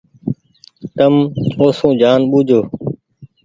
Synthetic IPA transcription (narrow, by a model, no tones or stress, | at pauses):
t̪əmoːsũːd͡ʒaːnɓuːd͡ʒʱoː